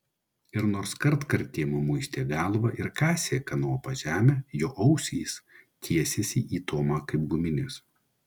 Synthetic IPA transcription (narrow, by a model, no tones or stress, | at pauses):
ɪɾnoːɾskɐɾt̪kɐɾʲt̪ʲeːmʊmʊɪsʲt̪ʲeːɡɑːlˠʋɐʔɪɾkɑːsʲeːkɐnoːpɐʒʲæːmʲɛjoːʔɐʊsʲist̪ʲʰiɛsʲesʲiːʔiːt̪oːmɑkɐɪp̚ɡʊmʲɪnʲɪs